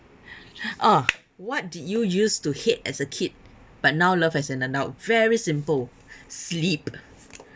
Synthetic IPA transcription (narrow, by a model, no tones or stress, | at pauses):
ʔa | wɔt̚didjujustuhetɛsəkʰit̚ | b̥at̚nawləfhɛsɛ̃nə̃ndaʊt̚vɛɹisĩmpəl | slip